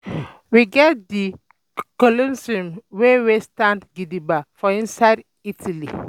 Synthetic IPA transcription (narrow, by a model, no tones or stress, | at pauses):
wiɡɛt̚d̪i | kolə̃nsũmwewestãndɡidibafɔĩnsaɪd | itʰəlḭ